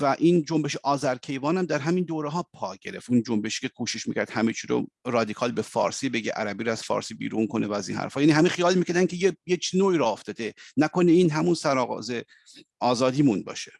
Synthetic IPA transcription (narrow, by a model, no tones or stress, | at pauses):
væʔind͡ʒombe̞ʃeʔɒːzæɾkʰe̞jvɑːnæmd̪æɾɦæmind̪oːɾeɦɒːpʰɒːɟe̞ɾe̞̰ft̪und͡ʒombe̞ʃi̥ːcʰe̞kʰuːʃeʃmiːcʰʲæɾd̪̥hæmet͡ʃʰiːɾo̰ɾɒːd̪ikʰɒlbefɒ̰ːɾsiːbe̞ɡḛʔæ̰ɾæbiːɾoæz̥fɒ̰ːɾsiːbḭːɾuːnkʰo̞nevææzinhæ̰ɾfɒːjæniɦæmixijɒːlmiːcʰæɾd̪ænkʰejejet͡ʃʰnoiːɾɔoft̪ɒːd̪enæko̞neiːnɦæmunsæɾɒːɣɒ̰ːze | ɒːzɒːd̪iːmunbɒ̰ːʃe̥